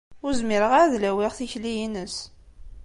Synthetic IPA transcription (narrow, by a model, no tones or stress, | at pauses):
ʊɾzmiɾəʁaɾðlæwiʁθiçlijinəs